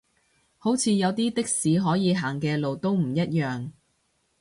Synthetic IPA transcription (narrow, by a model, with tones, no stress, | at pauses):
ho˨˥wt͡sʰiː˨˧jɐ˨˧wt̪iː˥t̪ɪ˥k̚siː˨˥ɦɔː˨˥jiː˨˧ɦaː˨˩ŋkɛː˧lo˨wt̪o˥wm̩˨˩jɐ˥t̚jœː˨ŋ